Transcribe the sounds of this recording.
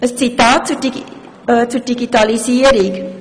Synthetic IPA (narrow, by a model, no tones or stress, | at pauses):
əst͡sitɑːt̚t͡sud | t͡sud̥iɡitɑlisiəɾɪk